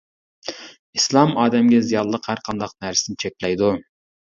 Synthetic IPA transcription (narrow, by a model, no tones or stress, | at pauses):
islˠɑmɑːd̪ɛmɡʲɛzijɑlˠlˠəqhæɾqʰɑnd̪ɑq̚næɾsɪnɪt͡ʃʰɛkʲlɛjd̪u